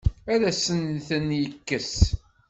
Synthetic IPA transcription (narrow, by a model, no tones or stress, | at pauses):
æɾæsənθənjəkːəs